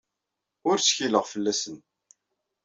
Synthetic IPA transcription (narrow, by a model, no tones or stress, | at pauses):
ʊɾsçiləʁfəlːæsən